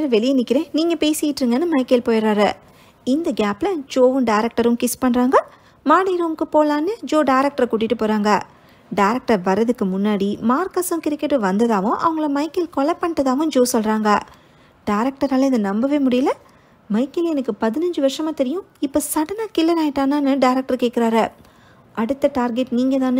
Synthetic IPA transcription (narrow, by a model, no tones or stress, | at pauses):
ɐɾʋɛɭɪjɐnɪkːɪɾẽːniːŋɡɐpeːsɪjɪʈːɾɯŋɡɐnːɯmɐɪkːɐlpoːjɐɾaːɾɐ | ɪnd̪ɐɡaːplɐd͡ʒoːʋɯ̃ɖɐɪɾɐk̚ʈɐɾɯ̃mkɪspɐɳɾaːŋɡɐ | maːɽɐjɾoːmɯkːɯpoːlaːnːɯd͡ʒoːɖɐɪɾɐk̚ʈɐɾɐkuːʈ̬ːɪʈːɯpoːɾaːŋɡɐ | ɖɐːɾɐk̚ʈɐɾʋɐɾːɐðɯkːɯmʊnːaːɽimaːɾkɐsɐ̃kɪɾɪkːɐʈːɯʋɐnd̪ɐðaːʋʊ̃ʔɐ̰ʋɐŋɡɐɭɐmɐɪkːɪlkɔɭɐpːɐɳʈːɐðaːʋʊ̃d͡ʒoːsɔlɾaːŋɡɐ | ɖaɪɾɐk̚ʈɐɾaːlɪðɐnɐmbɐʋeːmʊɽɪjɪlɐ | mɐɪkːɪlɛnɐkːɯpɐðɪnɐɲd͡ʒɯʋɐɾʂɐmaːt̪ɛɾɪjʊ̃ | ɪpːoːsɐɽɐnaːkɪlːɐɾaːjɪʈːaːnaːnɯɖɐɪɾɛk̚ʈɐɾkeːkːɪɾaːɾɐ | ʔɐɽɯt̪ːɐʈaːɾɡɛʈniːŋɡɐðaːnɯ